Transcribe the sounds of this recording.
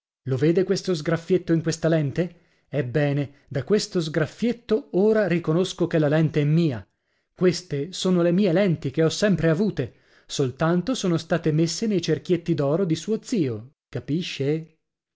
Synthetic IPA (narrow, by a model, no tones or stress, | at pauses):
loveːd̪ekwest̪ozɡɾafːjet̪ːoiŋkwest̪alɛnt̪e | ɛbːɛːne | d̪akwest̪ozɡɾafːjet̪ːooːɾarikonoskok̟elalɛnt̪eɛmːiːa | kwest̪esoːnolemiːelɛnt̪ik̟eɔsːɛmpɾeavuːt̪e | solt̪ant̪osoːnost̪aːt̪emesːenejt͡ʃerk̟jet̪ːid̪ɔːɾod̪isuːod̪z̥iːo | kapiʃːe